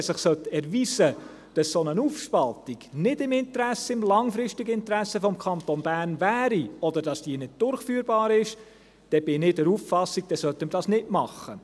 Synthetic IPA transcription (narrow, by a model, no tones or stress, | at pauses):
ɛsɪχsœt̪ɛɾviːzə | d̥ɑssonənuːfʃpɑlt̪iɡ̥nɪdɪmɪnt̪əɾæsːəɪmlɑŋfɾɪʃtiɡəɪntɾæsəfɔmkʰɑnt̪onbæːɾnvæːɾiɔd̪əɾd̥ɑsd̥iːnɪd̚d̥ʊɾχfyːɾbɑːɾɪʃ | d̥ɛb̥ɪnɪdəɾuːffɑsːik̚d̥ɛsœt̪ːəmədɑsnɪtmɑχə